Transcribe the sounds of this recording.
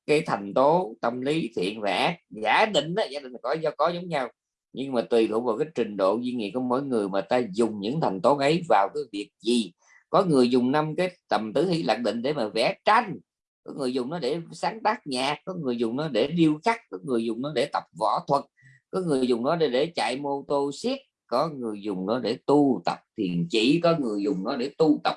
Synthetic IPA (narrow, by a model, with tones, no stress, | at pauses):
kaː˨˦jt̪ʰa˨˩jŋ̟t̪o˨˦t̪ə˧mli˨˦t̪ʰḭ˧˨ənva̰ː˧˨˦zaː˨˦ɗï˧˨ŋ̟ʔaː˨˦zaː˨˦ɗï˨˩ŋ̟la˨˩kɔ˧˨˦jzɔ˧kɔ˨˦zə˨˦wŋ͡mɲa˧w | ɲɨ˧ŋmaː˨˩t̪wi˨˩tɨ̰˧˨əwvaː˨˩wkaː˨˦jt͡ɕï˨˩ŋ̟ɗo̰˧˨zwi˧ŋḭ˧˨kɔ˧mo̰˧˥jŋɨ˨˩əjmaː˨˩t̪aː˧zʊ˨˩ŋ͡mɲɨ̰˧˥ŋt̪ʰa˨˩jŋ̟t̪o˨˦ʔə˨˦jvaː˨˩wkaː˨˦jvi˨˩ək̚zi˨˩ | kɔ˨˦ŋɨ˨˩əjzʊ˨˩ŋ͡mna˧mkaː˨˦jt̪ə˨˩mt̪ɨ˨˦hḭ˧˥la̰ː˨˩k̚ɗḭ̈˧˨ŋ̟ɗe˧˩maː˨˩vɛ̰˧˩t͡ɕa˧jŋ̟ | kɔ˨˦ŋɨ˨˩əjzʊ˨˩ŋ͡mnɔ˨˦ɗe˧˩saː˨˦ŋt̪aː˦˥k̚ɲaː˨˩kkːɔ˨˦ŋɨ˨˩əjzʊ˨˩ŋ͡mnɔ˨˦ɗe˧˩ɗi˧əwxa˦˥k̚kɔ˨˦ŋɨ˨˩əjzʊ˨˩ŋ͡mnɔ˨˦ɗe˧˩t̪ə˨˩p̚vɔ̰˧˩t̪ʰwə˨˩t̚ | kɔ˨˦ŋɨ˨˩əjzʊ˨˩ŋ͡mnɔ˨˦ɗe˧˩ɗe˧˩t͡ɕa̰ː˧˨jmo˧t̪o˧si˦˥ət̚kɔ˨˦ŋɨ˨˩əjzʊ˨˩ŋ͡mnɔ˨˦ɗe˧˩t̪u˧t̪ə̰˨˩p̚t̪ʰi˨˩ənt͡ɕḭ˧˥kɔ˨˦ŋɨ˨˩əjzʊ˨˩ŋ͡mnɔ˨˦ɗe˧˩t̪u˧t̪ə˨˩p̚